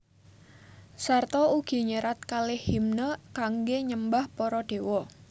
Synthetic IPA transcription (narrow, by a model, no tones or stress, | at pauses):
sart̪ɔuɡ̥i̤ɲəɾat̪̚kalɪhimnəkaŋɡeɲəmbahpɔɾɔɖ̥e̤wɔ